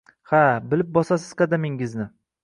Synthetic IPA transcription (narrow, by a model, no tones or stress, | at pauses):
habɪlɪp̚bɒsasɪz̥qɑd̪amɪŋɪznɪ